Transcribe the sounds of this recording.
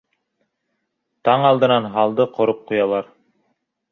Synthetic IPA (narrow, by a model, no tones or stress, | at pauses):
t̪ɑɴɑlˠd̪ɤ̆nɑnɦɑlˠd̪ɤqŏɾop̚qujɑlˠɑɾ